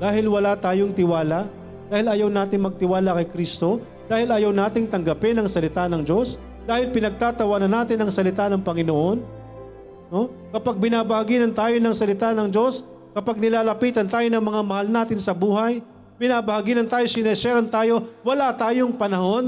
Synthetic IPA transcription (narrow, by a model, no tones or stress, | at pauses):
d̪aːhɪlwɐlat̪aːjoŋt̪ɪwaːla | d̪aːhɪlɐjawnaːt̪ɪŋmɐɡ̚t̪ɪwaːlakɐjkɾist̪o̞ | d̪aːhɪlɐjawnaːt̪ɪŋt̪ɐŋɡɐpɪnɐŋsɐlɪt̪anɐŋd͡ʒo̞s | d̪aːhɪlpɪnɐɡ̚t̪aːt̪ɐwaːnɐnaːt̪ɪnɐŋsɐlɪt̪anɐŋpɐŋɪnoʔo̞n | no̞ | kɐpaɡ̚bɪnaːbɐhaɡiːnɐnt̪aːjo̞nɐŋsɐlɪt̪anɐŋd͡ʒo̞s | kɐpaɡ̚nɪlaːlɐpiːt̪ɐnt̪aːjonɐŋmɐŋamɐhalnaːt̪ɪnsɐbuːɦɐj | pɪnaːbɐhaɡiːnɐnt̪aːjosɪnɐsɛɾɐnt̪aːjo̞wɐlat̪aːjoŋpɐnɐho̞n